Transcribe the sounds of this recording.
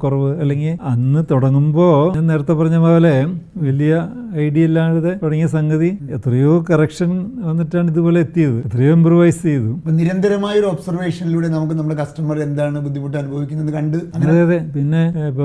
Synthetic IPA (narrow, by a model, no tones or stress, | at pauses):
kurɐʋɨɐlːe̞ŋɡilɐnːɨt̪uɽɐŋːumbo̞ːne̞ːɾɐt̪ːɐpːɐrɐɲːɐmɐʋɐleʋɐlijɐɐjɖielːaːɽɐðe̞t̪uɽɐŋːiɐsɐŋɡɐðiet̪ːrɐjo̞ːkɐrɐkʂɐnʋɐnːiʈːaːɳiðupo̞ːleːt̪ːijɐðɨet̪ːrɐjo̞ːimbrɐʋɐjst͡ɕejɐðupːoniɾɐnd̪ʱɐɾɐmaːjoɾuobsɐrʋe̞ːʂɐniluːɽe̞nɐmuk̬ːɨnɐmːuɽekɐsʈɐmɐre̞nd̪aːɳɨbud̪ʱːimuʈːɨɐnubʱɐʋikʲːunːenːɨkɐɳɖɨɐɐɐððeːɐðe̞pinːe̞ipːɐ